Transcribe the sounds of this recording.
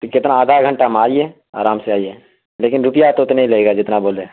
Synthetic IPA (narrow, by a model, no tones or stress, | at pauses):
kɪt̪naːd̪ʱaɡʱə̃ɳʈamaːie | a̰ːɾaːmseaːiɛ | leːkɪnɾʊpɪjat̪ot̪neɦĩlɐeːɡad͡ʒɪt̪naboːleː